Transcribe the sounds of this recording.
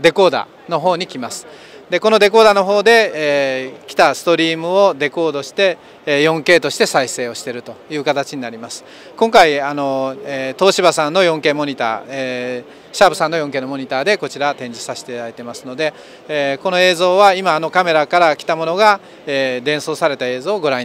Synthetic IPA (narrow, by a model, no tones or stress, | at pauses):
d̪e̞ko̞ːd̪a̰ | no̞ɦo̞ːɲ̟ikʲimasɨ̥ | d̪e̞ko̞no̞d̪e̞ko̞ːd̪ano̞ɦo̞ːd̪e̞ | kʲi̥t̪asɨ̥t̪o̞ɾʲiːmɯ̟o̞d̪e̞ko̞ːd̪o̞ɕi̥t̪e̞ | jõ̞ŋke̞ːt̪o̞ɕi̥t̪e̞saise̞ːo̞ɕi̥t̪e̞ɾɯ̟t̪o̞jɯ̟ːkat̪at͡ɕiɲ̟inaɾʲimasɨ̥ | kõ̞ŋkaiano̞et̪o̞ːɕibasãnːo̞jõ̞ŋke̞ːmo̞ɲ̟it̪a̰ːe | ɕaːbɯ̟sãnːo̞jõ̞ŋk̬eːno̞moɲ̟it̪aːd̪e̞ko̞t͡ɕiɾat̪ẽ̞ɲ̟d͡ʑisaɕi̥t̪eaait̪e̞masɨno̞d̪e̞ | ko̞noe̞ːzo̞ːβaimaːno̞kame̞ɾakaɾakʲi̥t̪amo̞no̞ɡa | ed̪ẽ̞ɰ̃so̞ːsaɾe̞t̪ae̞ːzoːɡo̞ɾãɲ